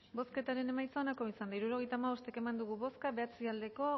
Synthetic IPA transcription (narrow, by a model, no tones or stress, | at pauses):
bo̞ske̞t̪aɾe̞ne̞majt͡saonako̞isand̪aiɾuɾo̞ɣ̞e̞jt̪aːmaβo̞st̪e̞ke̞mand̪uɣ̞uβo̞skaβe̞at͡siald̪e̞ko̞